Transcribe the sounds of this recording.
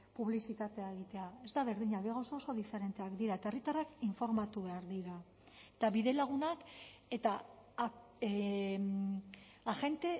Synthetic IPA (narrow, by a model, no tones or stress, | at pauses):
puβlisit̪at̪e̞aeɣ̞it̪e̞ae̞zd̪aβ̞e̞ɾðiɲaβeɣaosooso̞ðife̞ɾe̞nt̪e̞akd̪iɾaet̪aerit̪arakiɱfo̞ɾmat̪uβe̞aɾðiɾa | et̪aβiðe̞laɣ̞unake̞t̪a | axe̞nt̪e̞